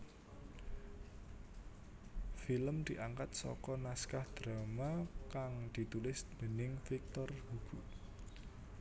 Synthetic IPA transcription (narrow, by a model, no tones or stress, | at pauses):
filəmd̪̥iʔaŋkat̪̚sɔ̰kɔnaskahd̪̥ɾamakaŋd̪̥i̤t̪ulɪsd̪̥ə̤nɪŋfik̚t̪ɔrhuɡ̥u